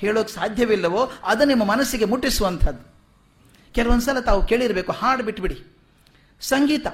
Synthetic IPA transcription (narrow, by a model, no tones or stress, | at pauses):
heːɭoːksaːd̪ʱjɐʋilːɐʋoːɐd̪unimːɐmɐnɐsːiɡemuʈːisuʋɐnt̪ʰɐd̪ːu | kɛlɐʋond̪s̬ɐlːɐt̪aːʋuke̞ːɭiɾɐbe̞ːkuhaːɽbiʈːbiɽi | sɐŋɡiːt̪ɐ